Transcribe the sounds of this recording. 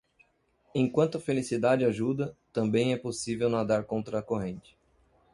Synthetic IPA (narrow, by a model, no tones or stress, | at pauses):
ẽkwɐ̃nt̪ʊɐfelisid̪ad͡ʒɪaʒud̪ɐt̪ɐ̃mbẽj̃ɛposivewnad̪aɾkõnt̪ɾɐːkoɦẽnt͡ʃɪ̥